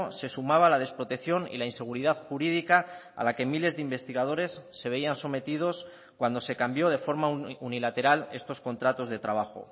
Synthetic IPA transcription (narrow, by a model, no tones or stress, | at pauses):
se̞sumaβ̞alað̞e̞spɾo̞t̪e̞kθjo̞nḭlainse̞ɣ̞uɾiðaðxuɾiðikaa̰lake̞mile̞zðeimbe̞st̪iɣ̞að̞o̞ɾe̞sːe̞βe̞ianso̞me̞t̪ið̞o̞s | kwand̪o̞se̞kambjo̞ðe̞fo̞ɾmaunilat̪e̞ɾale̞̰st̪o̞sko̞nt̪ɾat̪o̞zðe̞t̪ɾaβ̞axo̞̰